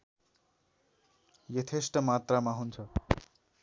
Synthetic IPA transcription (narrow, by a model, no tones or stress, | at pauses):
jʌt̪ʰesʈʌmat̪ramaɦunt͡sʰʌ